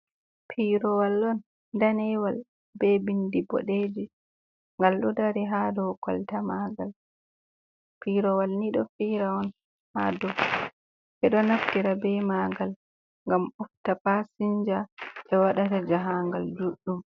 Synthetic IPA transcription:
pʰiɾɔwalːɔn | danɛwal | bɛbindibɔ̰ɗed͡ʒi | ŋɡalɗudaɾiɦadɔkɔ̰ltamaɡal | piːɾɔwalniɗɔfiɾaɔn | hadɔ | ʔɛɗɔnaftiɾabɛmaɡal | ŋɡamuftapasiɲd͡ʒaʔɛwaɗatad͡ʒaɦaŋɡald͡ʒuɗːum

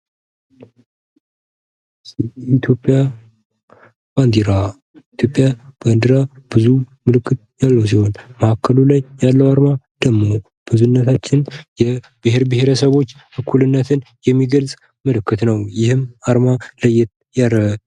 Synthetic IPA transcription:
it̪ʰjo̞pʼːja | b̥and̪iɾa | it̪ʰjo̞pʼːjab̥and̪ɨɾab̥ɨzumɨlɨkʰːɨt̪̚jalːəws̬iho̞nməhakːəlulajːalːəwaɾmad̪̥əmːo̞ | b̥ɨzunːət̪ʰat͡ʃːɪnjɛ | b̥ɨɦeɾbɨheɾəsəβo̞t͡ʃː | ɨkʰːulɨnːət̪ʰɨn | jɛmːiɡəlsʼ | mɨlɨkʰːɨt̪nəwjɪhɨmaɾmaləjːɛt̪ | jaɾ

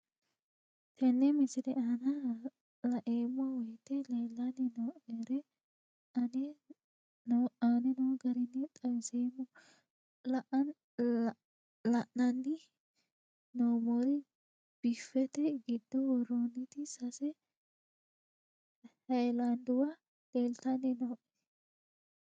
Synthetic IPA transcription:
t̪ʰɛnːɛmɪsɪd̪ɛanɐ | lɐʔeːmːɔwɔjt̪ːɛleːlːɐnːɪnɔweɾɛ | ɐnɛ | anɛnɔwɡɐɾɪnːɛt̪ʼɐwɪseːmːɔ | lɐʔɐn | lɐʔnɐnːɪ | noːmoɾɪ | b̥ifːɛt̪ɛɡɪd̪ːɔwɔɾonːɪt̪ɪsɐsɛ | hɐjland̪ʊwɐ | l̥eːlt̪ɐnɪnoːʔɛ̥

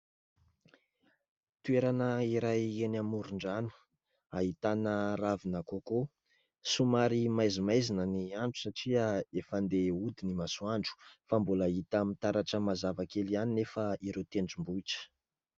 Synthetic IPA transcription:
t̪ueɾanəiɾajenamuɾuɳɖ͡ʐanu̥ | aɦit̪anəravinakoko | sumaɾimajzimajzinəniaɳʈ͡ʂu̥saʈ͡ʂiəefand̪eud̪inimasuaɳɖ͡ʐu̥fambuləit̪amit̪aɾaʈ͡ʂəmazavakelianinefəiɾewt̪eɳɖ͡ʐimbuiʈ͡ʂə̥

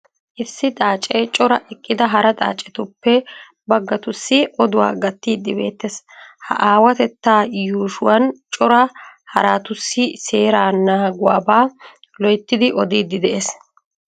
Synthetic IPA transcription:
ʔɪsːɪt̪ʼaːt͡ʃʼet͡ʃʼɔɾɐʔɛkʼːɪd̪ɐɦɐɾɐt̪ʼa̰ːt͡ʃʼːɛt̪ʊpːɛ | bɐɡːɐt̪ʊsːɪɔd̪ʊwa̰ːɡɐt̪ːiːd̪ːɪbe̞̰ːt̪ːes | hɐ̰ʔaːwɐt̪ɛt̪ːaːjuːʃʊwɐnt͡ʃʼɔɾɐhɐ̰ɾaːt̪ʊsːɪse̞ːɾaːnaːɡʊwaːbaː | lɔjt̪ːɪd̪ɪʔɔd̪iːd̪ːɪd̪ɛʔes

